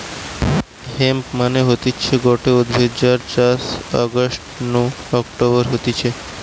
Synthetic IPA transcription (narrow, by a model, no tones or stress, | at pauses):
hempmaneɦot̪it͡ɕʰeɡoʈeod̪bʱed͡ʑaɾt͡ɕasɔ̰ɡosʈnu | ɔkʈoβoɾɦot̪it͡ɕʰe